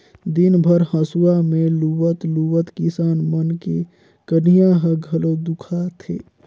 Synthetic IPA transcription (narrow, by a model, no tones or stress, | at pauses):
d̪ɪnbʱəɾhə̃suwamẽluʋət̪luwət̪kɪsaːnmənke | kənijaɦəɡʱɐlod̪ukʰat̪ʰḛː